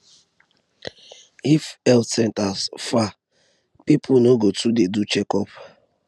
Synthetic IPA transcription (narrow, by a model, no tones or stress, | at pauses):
ifɛlsɛntasfa | pipʰʊnoɡotʰudedut͡ʃɛkɔp